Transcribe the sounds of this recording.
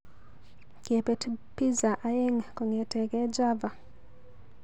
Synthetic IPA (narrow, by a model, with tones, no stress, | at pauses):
ke˨pe˦tpi˦za˨ʔa˦je˦ŋkɔ˨ŋe˨tɛ˨kɛ˦d͡ʒa˦va˨